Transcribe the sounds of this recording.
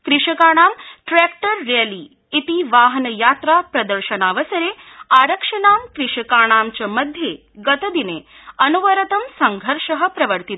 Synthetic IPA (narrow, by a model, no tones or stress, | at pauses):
kɾɪʂɐkaːɽ̃aːmʈɾɛːkʈɐɾːeli | it̪iʋaːɦɐnɐjaːt̪ɾapɾɐd̪əɾʃɐnaːʋəsɐɾeːaːɾɐkʂɐnaːmkɾɪʃɐkaːɽ̃aːmt͡ɕɐmɐd̪ʱje | ɡɐt̪ɐd̪ine | ɐnuʋɐɾɐt̪ɐmsɐŋɡʱɐɾʂɐɦə̆pɾɐʋəɾt̪it̪